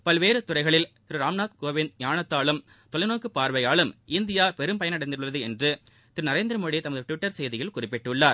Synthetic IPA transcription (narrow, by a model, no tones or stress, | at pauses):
pɐlʋeːɾɯt̪ʊrɐɪɣɐɭɪlt̪ɪɾɯɾaːmnaːt̪koːʋɪnjaːɳɐt̪ːaːɭɯm | t̪ɔlɐɪnoːkːɯpːaːɾʋɐjaːlɯmɪnd̪ɪjaːpɛɾɯmpɐjɐnɐɽɐɪnd̪ɪɾɯɭːɐðɯɛndrɯ | t̪ɪɾɯnɐɾeːnd̪ɾɐmoːɽit̪ɐmɐðɯʈɪʋɪʈːɐɾsɛjðɪjɪlkʊrɪpːɪʈːɯɭːaːɾ